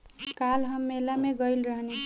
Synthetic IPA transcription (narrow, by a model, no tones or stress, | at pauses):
kalɦʌmːelameɡʌjlrʌɦne